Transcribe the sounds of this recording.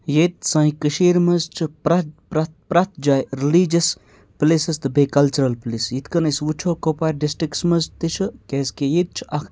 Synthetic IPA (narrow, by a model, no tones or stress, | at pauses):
jet̪sɐ̃ːikəʃiːɾmɐzt͡ʃʰɨpɾɐpɾɐt̪pɾɐt̪ʰd͡ʒaːjɾiliːd͡ʒɐs | plisɐst̪ɨbekɐlt͡ʃuɾɐlplisjit̪ʰkɐnɐsut͡ʃʰoːkopaɾɖisʈɾiksmɐzt̪it͡ʃʰɨkeskejit̪̚t͡ʃʰʔɐkʰ